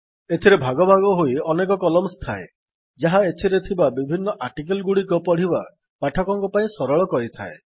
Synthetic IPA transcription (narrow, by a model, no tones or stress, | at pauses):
et̪ʰiɾebʱaɡɔbʱaɡɔɦoiɔnek̬ɔkɔlɔmst̪ʰae | d͡ʒaɦaet̪ʰiɾet̪ʰibabibʱinːɔʔaɾʈik̬elɡuɽikupɔɽ̤iba | paʈʰɔkɔŋkupaĩsɔɾɔɭɔkɔɾit̪ʰa̰e